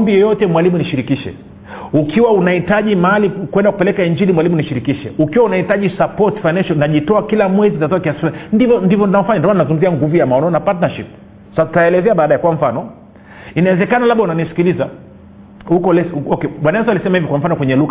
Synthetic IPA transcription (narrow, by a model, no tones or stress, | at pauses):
mbijɛjɔtɛmwalimuniʃiɾikiʃɛ̰ | ukiwaunaitaʄimaalikwɛndaku̥pɛlɛkaiɲd͡ʒilimwalimuniʃiɾikiʃɛ̰ukiwaunahitaʄisapɔtfajnanʃɔnnaʄitɔakilamwɛzitatɔakiasi̥fulanindivɔndivɔnnavɔfaɲandɔmanazuŋɡum̩ziaŋɡuvujamaɔnɔnapatnaʃip̚ | sautaɛlɛzɛaɓaːɗajɛkwam̩fanɔ | inawɛzɛkanalaɓaunanisi̥kiliza | hukɔlɛsɔkɛɓwanaɛsalisɛmahivikwam̩fanɔkwɛɲɛluɣa